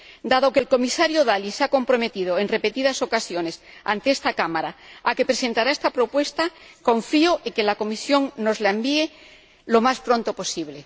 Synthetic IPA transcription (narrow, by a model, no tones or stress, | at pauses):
d̪aðo̞kelko̞misaɾjoðalisako̞mpɾo̞me̞t̪ið̞oenrepe̞t̪iðaso̞kasjo̞ne̞sa̰nt̪eest̪akamaɾaake̞pɾese̞nt̪aɾae̞st̪apɾo̞pwe̞st̪akõ̞ɱfioʔeŋkelako̞misjo̞ŋno̞zlaembie | lo̞maspɾõ̞nt̪opo̞siβle̞